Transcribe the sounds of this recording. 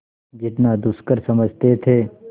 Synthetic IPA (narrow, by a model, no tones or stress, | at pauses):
d͡ʒɪt̪nad̪ʊskəɾsɐməd͡ʒʱt̪et̪ʰeː